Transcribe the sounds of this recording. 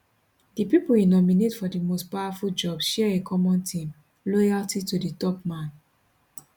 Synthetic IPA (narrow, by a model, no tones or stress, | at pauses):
d̥ipipuinɔminetfɔdimostpaʊwafuld͡ʒɔbʃɛɛekʰɔmɔ̃ntʰĩm | lɔjaltituditɔp̚mãn